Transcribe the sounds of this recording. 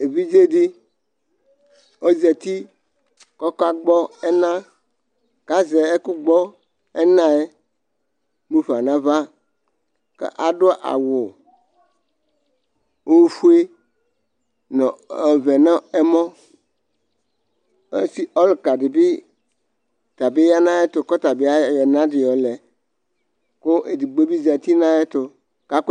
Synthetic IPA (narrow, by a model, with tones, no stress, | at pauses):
e˨βi˦d͡ʒe˦di˦ | o˦zɛ˨t̪i˦ | kɔ˦ka˦ɡ͡bɔ˦ɛ˦nã˦ | ka˦ze˨e˦ku˦ɡ͡bɔ˦ | ɛ˦nã˦e˦ | nũ˦ɸa˨nã˦va˦ | kḛ˦ʔa˨ɖo˦ʔa̰˨wɔ˨ | wo˦fu˦e˦ | nɔ̃˨ve˨nɔ̃˦e˦mɔ̃˦ | e˦si˦ʔɔ˦lka˨ɖi˨bi˦ | t̪a˨be˦ja˦nã˦e˦t̪o˨kɔ˦t̪a˨be˦a˦jɛ˨nã˦dɪ˨ɔ˨lɛ˨ | ko˦ʔe˨di˨ɡ͡be˦bi˦za˨t̪i˦nã˦e˦t̪o˨ | ka˦k